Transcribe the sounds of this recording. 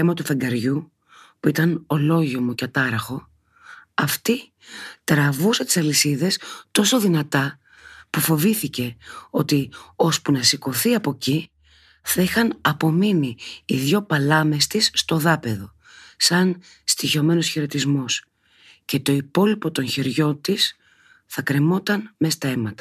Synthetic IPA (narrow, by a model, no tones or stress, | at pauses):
emɐt̪ufeŋɡɐɾʝu | puit̪ɐno̞lo̞ʝomo̞cɐt̪ɐɾɐxo̞ | ɐft̪i | t̪ɾɐvusɐt̪i̥sɐlisiðe̞st̪o̞so̞ðinɐt̪ɐ | pufo̞viθice̞o̞t̪io̞spunɐsiko̞θiɐpo̞ci | θɐixɐnɐpo̞miniːðʝo̞pɐlɐme̞st̪isːt̪o̞ðɐpe̞ðo̞ | sɐn | st̪iço̞me̞no̞sçeɾo̞t̪izmo̞s | ce̞t̪o̞ipo̞lipo̞t̪o̞nçeɾʝo̞nt̪is | θɐkɾe̞mo̞t̪ɐnme̞st̪ɐe̞mɐt̪ɐ̥